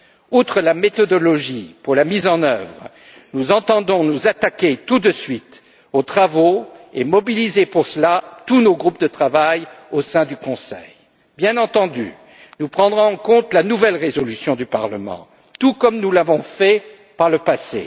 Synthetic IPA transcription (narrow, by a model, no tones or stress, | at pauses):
ut̪χəlamet̪ɔd̪ɔlɔʒipuʁlamizɑ̃nœvʁ | nuzɑ̃t̪ɑ̃d̪ɔ̃nuzat̪akʲet̪ud̪əsɥit̪ | ot̪χavoemɔbilizepuʁsəlat̪unoɡʁup̚d̪ət̪χavajosɛ̃d̪ykɔ̃sɛ̰j | bjɛ̃nɑ̃t̪ɑ̃d̪y̰ | nupχɑ̃d̪ʁɔ̃ɑ̃kɔ̃t̪lanuvɛlʁezɔlysjɔ̃d̪ypaʁləmɑ̰̃ | t̪ukɔmnulavɔ̃fɛ | paʁləpasḛ